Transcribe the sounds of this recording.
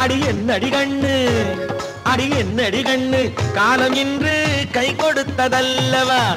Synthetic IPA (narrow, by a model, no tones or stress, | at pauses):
ɐɽɪjɛnːɐɽikɐɳːɯ | ɐɽɪjɛnːɐɽɪkɐɳːɯkaːlɐmɪndrɯkɐɪkɔɽɯt̪ːɐðɐlːɐʋaː